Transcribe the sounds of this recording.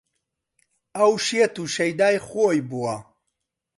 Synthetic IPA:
ɐwʃet̪uʃɐjd̪aːjχojbua

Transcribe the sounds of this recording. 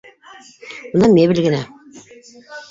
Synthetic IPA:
unɑmʲeβɘlɡɘ̆næ

